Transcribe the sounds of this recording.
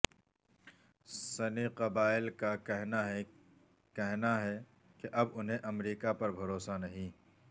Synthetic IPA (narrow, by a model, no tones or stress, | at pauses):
sɐniqɐbaːɪlkaɛɦnaɦ | kɛɦnaɦɛ | keʔɐbʊnɦẽʔɐmɾiːkapɐɾbʱɐɾoːsanɐɦĩː